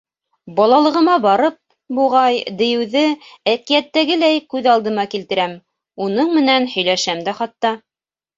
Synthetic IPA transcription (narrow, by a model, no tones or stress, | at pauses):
bɑlˠɑlˠɤ̆ʁɤ̆mɑbɑɾɤp̚ | buʁɑjd̪ɘ̆jɘ̆wðɘækijæt̪ːæɡɘlæjkʉðɑlˠd̪ɤ̆mɑkilt̪ɘ̆ɾæm | unɤɴmɘ̆nænhɵ̆jlæʃæmd̪æχɑt̪ːɑ